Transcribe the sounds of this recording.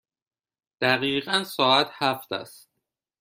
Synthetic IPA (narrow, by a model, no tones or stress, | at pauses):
d̪̥æɣiːɣænsɒːæt̪ʰhæft̪ʰæ̰st̪